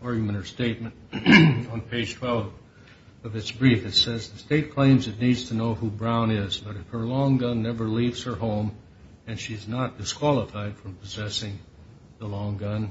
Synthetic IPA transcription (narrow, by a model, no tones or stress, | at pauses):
ɑɹɡjɨmɨ̃ñə̥˞steɪt̚mɨ̃nt | n̩pʰeɪd̥ʒ̥tʰw̥ɛlˠv | ʌvɨtsb̥ɹifɨtsɛzðɨsteɪt̚kʰl̥ẽɪ̃mzɨtⁿnidz̥tʰɨnoʊhubɹãʊ̃nɪzbʌɾɨfhə˞lɔ̃ŋɡʌ̃nːɛvə˞livz̥hə˞hõʊ̃m | ɨ̃nʃiɨznət̚d̥ɨskʰw̥ɑlˠəfaɪd̥fɹʌ̃mpʰəzɛsɪ̃ŋ | ðəlɔ̃ŋɡʌ̃n